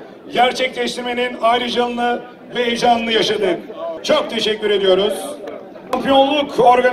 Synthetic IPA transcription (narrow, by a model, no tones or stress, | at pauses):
ɟæɾt͡ʃʰɛclʲɛʃt̪ʰiɾme̞ninajɾɯd͡ʒalˠɯnɯ | vɛːjʒanɯnɯjaʃad̪ɯnt͡ʃʰok̚t̪ʰe̞ʃɛcʰʲːyɾe̞d̪ijo̞ɾuz̥ | ampijo̞nlˠuko̞ɾɡa